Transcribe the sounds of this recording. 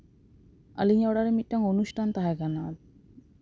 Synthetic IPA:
a̰liɲaɔɽaɾemit̪̚ʈaŋonuʃʈʰant̪aɦaɡanat̪̚

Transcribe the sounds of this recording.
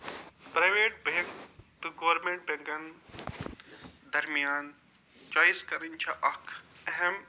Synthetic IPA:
pɾaːjʋeːʈ̚beŋkt̪uɡɐʋɾmẽɳʈ̚bʱẽŋɡɐn | d̪ɐɾmijaːn | t͡ʃaːiskɐɾənt͡ʃʰaʔɐkʰɛɦɛm

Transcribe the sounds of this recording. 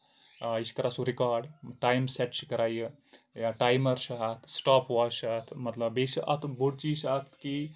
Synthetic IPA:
iskɐɾaːsuɾikaːɾɖʈaːjmseʈt͡ʃkɐɾaːjj | jaʈaːjmɐɾʃɐɦɐt̪ʰsʈaːpʰʋaːʃat̪ʰmɐt̪lɐbesʔɐ̰t̪ʰboɽt͡ʃisɐkt̪ki

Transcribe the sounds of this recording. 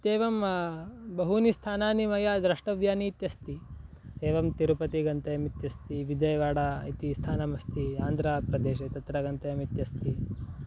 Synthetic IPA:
t̪eːʋɐm | bɐɦunist̪ʰaːnaːnimɐjaːd̪ɾɐʂʈɐʋjaːniːt̪jɐst̪i | eːʋɐmt̪iɾupɐt̪iɡɐnt̪ɐjɐmit̪jɐst̪iʋid͡ʒɐjɐʋaːɽaːit̪ist̪ʰaːnɐmɐst̪iaːnd̪ʱɾaːpɾɐd̪eːʃɐt̪ɐt̪ɾɐɡɐnt̪ɐjɐmit̪jɐst̪i

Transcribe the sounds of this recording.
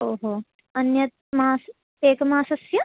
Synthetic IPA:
oːɦoː | ɐnjɐt̪̚maːs | eːkɐmaːsɐsjɐ

